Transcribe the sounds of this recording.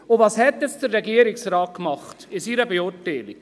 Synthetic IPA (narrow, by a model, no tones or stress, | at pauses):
ʊvɑshɛt̪ɛsd̥̪əɾːɛɡiəɾɪksɾɑːt̚kmɑχtɪsiːɾəbeʊtɛːli